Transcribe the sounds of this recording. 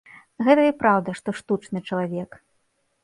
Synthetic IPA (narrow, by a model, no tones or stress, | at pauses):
ɣɛt̪ɐipɾawd̪ɐʂt̪ɔʂt̪ut͡ʂnɨt͡ʂɐlˠavʲɛk